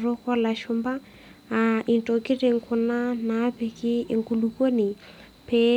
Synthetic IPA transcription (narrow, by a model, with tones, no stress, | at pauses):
rʊ˦kɔ˦la˨ʃʊmba˦ | aʔi˨nto˨kɪ˦rɪ˨ŋ̩kʰʊ˨na˦na˦pɛ˨kɪ˦ɪ˨ŋku˨luko˦ni˨ | pɛ